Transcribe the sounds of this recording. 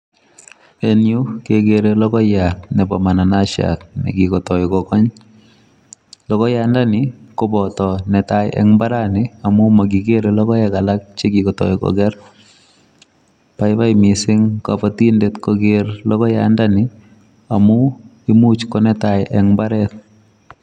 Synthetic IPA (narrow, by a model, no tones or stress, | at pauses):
enjukeɡeɾelɔɡɔjatnɛpamananaʃa̰k̚nɛ̰ɡikɔtɔɪkɔkɔɲ | lɔkɔjandanɪkɔbɔtɔnɛtaj̰ʔɛ̰ŋbaɾanɪamʊmaɡiɡeɾelɔkɔjɛkalak̚t͡ʃeɡikɔtɔ̰ɪkɔ̰ɡɛr | paɪβajmɪsɪŋkapatindetkɔɡeɾlɔkɔja̰ndanɪ | amu | imut͡ʃkɔnɛtajʔɛŋbaɾɛt̚